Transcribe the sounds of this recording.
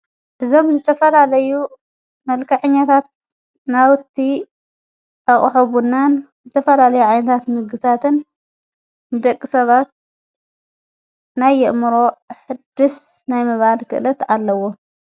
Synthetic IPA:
ʔɨzo̞mzɨt̪ʰɐfɐlalɐju | mɐlkʰɐħɨɲːat̪ʰat̪̚ | nawt̪ʰːi | ʔaχʼħoβunːan | zɨt̪ʰɐfɐlalɐjuʕajnɐt̪ʰat̪mɨɡɨt̪ʰat̪ʰɨnː | ɨd̪ɐkʼːisɐβat̪̚ | najːɛʔmɨɾo̞ħɨd̪ɨs | najmɨβalkʰɨ̰ʔɨlɐt̪alːɐwo

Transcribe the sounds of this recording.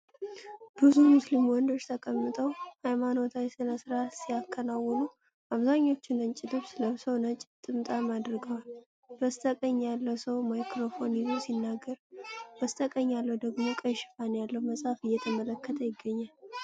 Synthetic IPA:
b̥ɨzumuslimwɔnd̪o̞t͡ʃːt̪ʰəkʼəmːɨt̪ʰʼəwhajmano̞t̪ʰajɛsɨnəsɨɾasijakʰːənawːɔnu | ʔaβzaɲːo̞t͡ʃːɪnɨnt͡ʃʼɪlɨβsləsəwnət͡ʃʼt̪ʼɨmt̪ʼamad̪ɾɨɡəwal | bəst̪ʼəkʼəɲːalːəwsəwmajkɾo̞fo̞nizusinːaɡːəɾbəst̪ʼəkʼəɲːalːəwd̪əɡmo̞kʼəjʃɪ̥fanjalːəwməsʼafɨjːɛt̪ʰəmələkːət̪ʰəjɪɡːəɲːal

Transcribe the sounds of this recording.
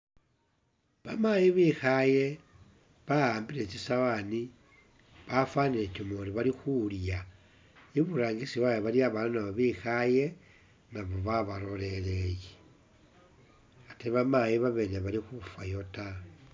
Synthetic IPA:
βamajiβixaje̞ | βaaːmbile̞t͡ʃisawani | βafwanile̞comoɾiβalixulja | iβuɾaːŋɡisiwajeβaliaβalnaβoβixaje̞ | naβo̞βaβaɾo̞le̞leje | ateiβamajiβaβe̞neβalixufwajo̞ta

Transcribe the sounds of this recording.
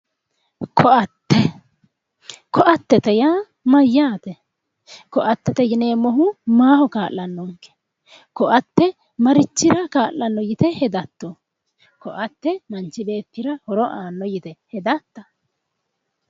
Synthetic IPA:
kʰɔtːɛ | kɔʔɐt̪ːɛt̪ɛjaː | mɐjːaːt̪ɛ | kɔʔɐt̪ːɛt̪ɛjɪneːmɔɦʊmaːhɔkaːlːɐnːɔŋkːɛ̥ | kɔʔɐt̪ːɛ | mɐɾɪt͡ʃːɪɾɐkaːlːɐnːɔjɪt̪ɛhɛd̪ɐt̪ːɔ | kɔʔɐt̪ːɛmɐnt͡ʃːɪbe̞ːt̪ːɪɾɐhɔɾɔʔaːnːɔjɪt̪ɛhɛd̪ɐt̪ːɐ

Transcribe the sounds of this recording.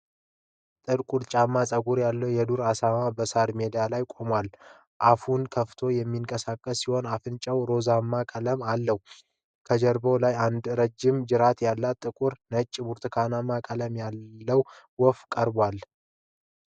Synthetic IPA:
t̪ʼɨɾkʼuɾt͡ʃʼamːasʼəɡuɾjalːəwjɛd̪uɾasamabəsaɾme̞d̪ijalajkʼo̞mwal | ʔafunkʰəft̪ʰo̞jɛmːiŋkʼəsakʼːəsːiho̞nafɨnt͡ʃʼəwɾo̞zamːakʼələmalːəhu | kʰəd͡ʒəɾbo̞lajand̪ɾəd͡ʒːɪmd͡ʒɨɾat̪jalːat̪ʼːɨkʼuɾnət͡ʃʼːbuɾt̪ʰɨkʰanamakʼələmjalːəw | wɔfkʼəɾbwal

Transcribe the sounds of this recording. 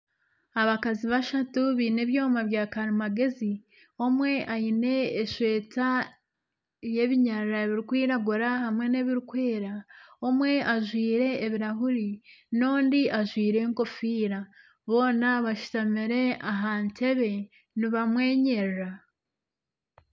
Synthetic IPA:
aβakaziβaʃatuβiːneβjoːmaβjaːkaɾimaɡe̞zi | omwe̞ʔajine̞ːʃwe̞ːta | jeβiɲaɾaβiɾikwiːɾaɡuɾahamŋe̞neβiɾukwe̞ːɾaomwe̞ʔaʒwiːɾe̞ːβiɾaɦuɾinoːndiʔaʒwiːɾe̞ŋko̞fiːɾa | βo̞ːnaβaʃu̥tamiɾe̞aɦante̞βe̞ | niβamwe̞ːɲe̞ɾɾa

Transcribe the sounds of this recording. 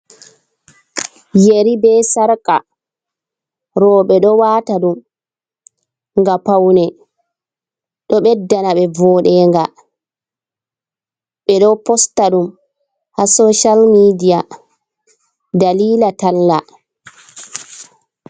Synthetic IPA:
jeɾibɛsaɾka | ɾɔːɓɛɗɔwaːtaɗum | ŋɡapawnɛ | ɗɔɓɛdːanaɓɛvɔːɗɛŋɡa | ɓɛɗɔpɔstaɗum | hasoʃalmidija | daliːlatalːa

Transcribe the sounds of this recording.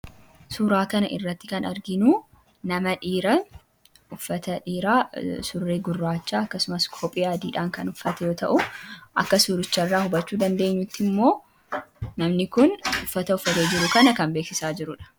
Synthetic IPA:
suːɾaːkɐnɐʔɪ̰rːɐt̪ːɪkɐnɐɾɡɪnuː | nɐmɐᶑiːɾɐ | ʊfɐt̪ɐᶑiːɾaːsʊrːeːɡʊrːaːt͡ʃːaːɐkːɐsʊmɐskʰoːpʼɪjaːd̪iːᶑaːŋkɐnʊfːɐt̪ɛjo̞ːt̪ɐ̰ʔʊʔɐkːɐsuːɾɪt͡ʃːɐrːaːhʊbɐt͡ʃːuːd̪ɐnd̪e̞ːɲːʊt̪ːɪmːo̞ː | nɐmnɪkʊnʊfːɐt̪ɐʊfːɐt̪e̞ːd͡ʒɪɾʊkɐnɐkɐmbe̞ːksɪsaːd͡ʒɪɾʊᶑɐ̥

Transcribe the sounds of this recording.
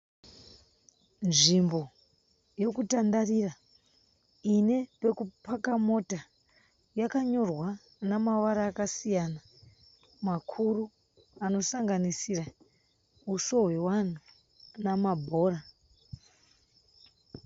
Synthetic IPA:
nʐimbo̞ | jo̞kutandarira | ine̞pe̞kupakamo̞ta | jakaɲo̞rwa | namaʋaɾaːkasijana | makʰuru | ano̞saŋɡanisira | uso̞ɦwe̞wan̤u | namabʱo̞ːɾa

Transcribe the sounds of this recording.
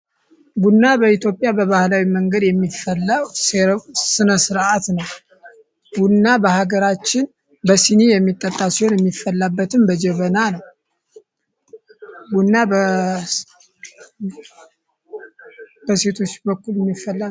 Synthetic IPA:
ɡunːabəit̪jo̞pʼjabəβahlawiməŋɡəd̪jɛmːifəlːəwssɨnəsɨɾat̪nəw | ɡ̥unːabəhaɡəɾat͡ʃːɪn | bəsinijɛmːit̪ʼːət̪ʼːasiho̞njɛmːifːəlːabːət̪ɨmbəd͡ʒɛβənanəw | ɡunːabə | b̥əse̞t̪ʰo̞t͡ʃːbəkːuljɛmːifːəlː

